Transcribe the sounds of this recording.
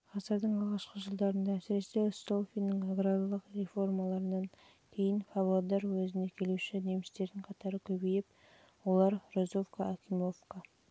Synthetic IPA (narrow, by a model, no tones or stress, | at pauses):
qʰɑzəɾd̪əɴɑlˠʁɑʃqəʒəlˠd̪ɑɾənd̪ɑæsɪɾe̞se̞st̪olˠfʲijnəɴaɡɾad̪alˠəqɾe̞fo̞rmɑlˠɑɾənɑn | kʲʰe̞jɪnfɑblˠod̪ɑɾwɵzɪne̞kʲʰe̞luʃɪne̞mɪst̪e̞ɾd̪ɪɴqʰɑt̪ɑɾəkʲʰɵbejɪp | wo̞lˠɑɾrozofkaakʲimo̞fka